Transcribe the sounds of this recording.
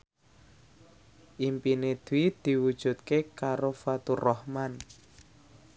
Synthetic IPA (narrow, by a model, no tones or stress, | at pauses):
ʔimpined̪̥id̪̥i̤wud̥ʒ̥ṳt̪̚kekaɾofat̪urɔhman